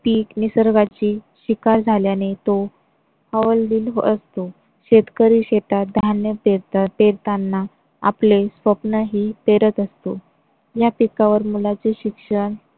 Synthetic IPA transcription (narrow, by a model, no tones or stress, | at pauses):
piːknisəɾɡat͡ɕiːɕikaɾd͡zʱaljanet̪o | həʋəlːiːlɦəst̪o | ɕet̪kəɾiːɕeʈad̪ʱanjəpeɾpeɾt̪anːa | a̰plesʋəpnəɦiːpeɾət̪əst̪o | japikaʋəɾmulat͡seɕikʂəɳ